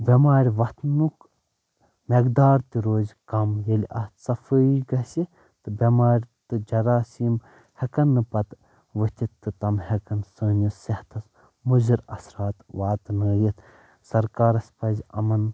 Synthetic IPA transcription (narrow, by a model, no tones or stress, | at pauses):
bʲɐmaːɾʲʋɐt̪nuk | meɡd̪aːɾt̪iɾoːzʲkɐmjɐlʲʔɐ̰st̪sɐfəiɡɐsi | t̪ɨbʲɐmaːɾʲt̪ɨd͡ʒɐɾaːsiːm | hɐkɐnːɨpɐt̪ | ʋət̪ʲit̪ːɨt̪ɐmhɐkɐnsəːnusɐht̪ʰɐs | muziɾɐ̰sɾaːt̪ʋaːt̪nəːjit̪ | sɐɾkaːɾɐsʲpɐzʲɐ̰mɐn